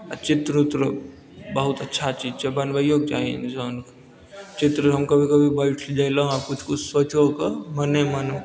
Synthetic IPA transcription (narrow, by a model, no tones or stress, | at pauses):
ət͡ʃɪt̪ɾut̪ɾə | bəɦʊt̪ətːʃʰat͡ʃiːd͡ʒt͡ʃebənʋəjoːɡ̚d͡ʒa̰ːend͡ʒoːnk | t͡ʃɪt̪ɾəɦəmkəbʱikəbʱibəɪʈʰd͡ʒajlaɦakʊt͡ʃʰkʊt͡ʃʰswət͡ʃokəməneməno